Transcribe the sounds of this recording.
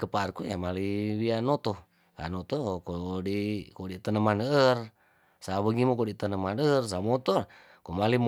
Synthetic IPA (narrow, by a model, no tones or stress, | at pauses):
kəparkujamalibianot̪ɔ | ka̰not̪okodikodit̪ənəmanər | saβəɡimokodit̪ənəmanərs̬amot̪ɔr | komalim